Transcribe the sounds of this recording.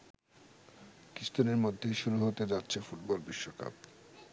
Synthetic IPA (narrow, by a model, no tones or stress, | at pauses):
kist̪oneɾmod̪ʱːeʃuɾuɦot̪ed͡ʑatːɕʰefuʈbɔlbiʃːoka̰p̚